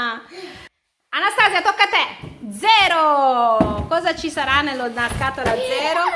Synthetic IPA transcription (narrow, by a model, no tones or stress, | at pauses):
anːast̪aːzjat̪okːat̪ɛd̪zɛːɾo | kɔːzat͡ʃisaɾanːelːonarkaːt̪olad̪zːɛːɾo